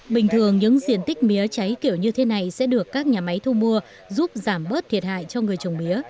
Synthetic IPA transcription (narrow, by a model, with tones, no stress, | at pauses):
ɓï˨˩ŋ̟t̪ʰɨ˨˩əŋɲɨ̰˧˥ŋzḭ˧˨ənt̪ï˦˥k̟̚mi˨˦ət͡ɕa˨˦jki˧˩əwɲɨ˧t̪ʰe˨˦na˨˩jsɛ̰˧˥ɗɨ˨˩əkːaː˦˥k̚ɲaː˨˩ma˨˦jt̪ʰu˧mu˧ə | zu˦˥p̚zaː˧˩mɓəː˦˥t̪̚ʰi˨˩ət̚ha̰ː˧˨jt͡ɕɔ˧ŋɨ˨˩əjt͡ɕə˨˩wŋ͡mmi˨˦ə